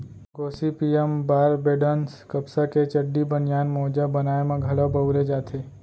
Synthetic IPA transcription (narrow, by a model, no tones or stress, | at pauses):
ɡoːsipiembaɾbeɖənskəpsaket͡ʃəɖːibənjanmɔːd͡ʒabənaemãɡʱəɭabəwɾed͡ʒaːt̪ʰe